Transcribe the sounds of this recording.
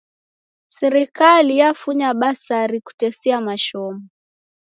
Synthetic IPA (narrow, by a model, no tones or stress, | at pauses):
sɛɾikalijafuɲaɓasaɾiku̥tɛsiamaʃɔmu